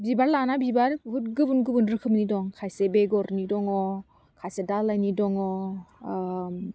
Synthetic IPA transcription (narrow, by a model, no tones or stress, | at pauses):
bibaɾlanabibaɾɦut̚ɡɯbunɡɯbunɾɯkʰɯmnidɔŋkʰajsebeɡɔɾnidɔŋɔ | kʰajsedalːajnidɔŋɔ